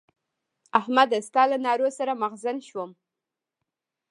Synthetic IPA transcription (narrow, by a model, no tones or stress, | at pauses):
ahmad̪ast̪ɑlanɑɾosaɾamaɣzanʃwəm